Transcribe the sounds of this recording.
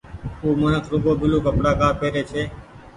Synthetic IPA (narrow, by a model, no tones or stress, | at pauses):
uːməɳəkɾʊɡoːbɪluːkəpɽaːkaːpeːɾeːt͡ʃʰeː